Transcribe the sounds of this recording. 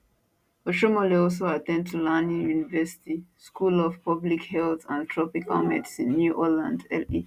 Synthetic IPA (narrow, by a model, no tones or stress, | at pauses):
ɔʃomoleɔls̬oatɛ̃nd̚tʰulanĩjunivɛsi̥tiskulɔv̥pʌblikhɛlθãntʰɹɔpika̰lmɛ̰tsĩnːjuʔɔlã̰ndɛlḭ